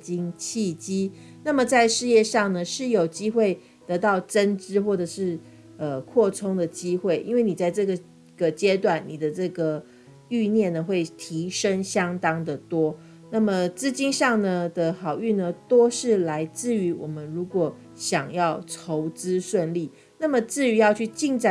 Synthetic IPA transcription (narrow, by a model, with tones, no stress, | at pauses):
t͡ɕi˥ŋt͡ɕʰi˥˩t͡ɕi˥ | na˥˩mə˨˩t͡sa˥˧ɪʂɻ̩˥˧jɛ˥˧ʂɑ˥˩ŋnə˩ʂɻ̩˥˩jo˨˩ʊt͡ɕi˥xwe˥˩ɪ | t̪ɤ˧˥t̪ɑ˥˩ʊʈ͡ʂə˥nʈ͡ʂɻ̩˥xwɔ˥˩ʈ͡ʂə˨˩ʂɻ̩˥˩ | ə˨kʰwɔ˥˩ʈ͡ʂʰʊ˥ŋd̪ə˨t͡ɕi˥xwe˥˩ɪʔḭ˥nwe˥˩ɪni˨˩t͡sa˥˧ɪʈ͡ʂɤ˥˩ɡə˩ | ɡ̥ə˨t͡ɕjɛ˥t̪wa˥˩nːi˨˩d̪ə˦ʈ͡ʂɤ˥˩ɡə˩ | y˥˧njɛ˥˩nːə˩xwe˥˩ɪt̪ʰi˧˥ʂə˥ŋɕjɑ˥ŋt̪ɑ˥ŋd̪ə˨t̪wɔ˥ | na˥˩mə˨t͡sɹ̩˥t͡ɕi˥nʂɑ˥˩ŋnə˩d̪ə˨xɑ˨˩ʊy˥˩nə˩t̪o˥ʂɻ̩˥˩la˧˥ɪt͡sɹ̩˥˩y˧˥wɔ˨˩mə˦nɻu˧˥kwɔ˨˩ | ɕjɑ˨˩ŋjɑ˥˩ʊʈ͡ʂʰo˧˥ʊt͡sɹ̩˥ʂwə˥˧nli˥˩ | na˥˩mə˨t͡sɹ̩˥˩y˧˥jɑ˥˧ʊt͡ɕʰy˥˩t͡ɕi˥˧ŋt͡sa˥˧˩